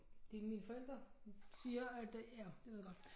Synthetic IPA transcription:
d̥e̝minfɒ̽el̰d̥ɐsiːɐæd̥ædj̥eʋeð̰ˠɡ̥ɒ̽d̥

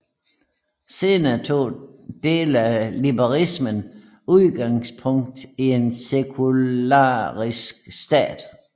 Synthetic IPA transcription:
se̝ːnɐt͡sʰo̝̰ːd̥e̝̰ːlælibɐʁismən | uðˠɡ̥ɑ̈ŋspʰɔ̽ŋ̰d̥ie̝nsekʰuɑ̰ːʁisɡ̥sd̥ɛ̰ːd̥

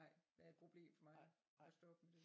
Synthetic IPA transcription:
ɑɪ̰ʋæɐed̥̚pʰʁo̝b̥le̝̰ːmfɒ̽mɑ̈ɪ | ɒsd̥ɒ̽b̥med̥e̝

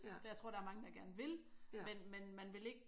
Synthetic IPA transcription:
sɒjaɪt͡sʰʁo̝̰ɾ̥ɑæɐmɑ̈ŋəd̥ɑ̈ɡ̥æɐnəʋe̝lmenmenmænʋe̝le̝ɡ̥ə

